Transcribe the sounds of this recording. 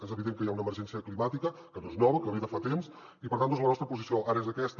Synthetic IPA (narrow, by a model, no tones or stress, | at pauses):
ezəβiðeŋkəjaunəːməɾʒɛnsiəklimat̪ikəkənoeznɔβəkələβiðəfat̪ems | ipəɾt̪ant̪ozlənɔst̪ɾəpuzisioʔaɾəezəkɛst̪